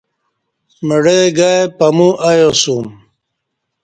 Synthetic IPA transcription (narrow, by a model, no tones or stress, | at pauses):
mɐɽeɡaːjpɐmuʔajosuːm